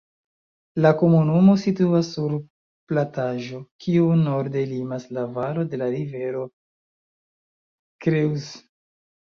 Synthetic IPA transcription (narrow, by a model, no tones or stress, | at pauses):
lako̞munumo̞situasːuɾ | plataʒokʰiuno̞ɾde̞limaslavalo̞de̞laɾive̞ɾo̞ | kɾiws